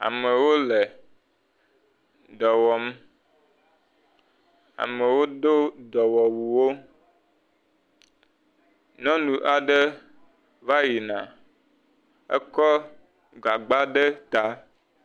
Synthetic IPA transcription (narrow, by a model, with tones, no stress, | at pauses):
a̰˨me˨wo˦le˨ | d̪ɔ˨wɔ˨m˦ | a̰˨me˨wo˦d̪o˦d̪ɔ˨wɔ˨wu˨wo˦ | nɔ̃˦nũ˨ʔa˨ɖe˦ | va˦ji˨nã̰˨ | ɛ̰˦kɔ˦ | ɡ͡ba˨ɡ͡ba˦ɖe˦t̪a˦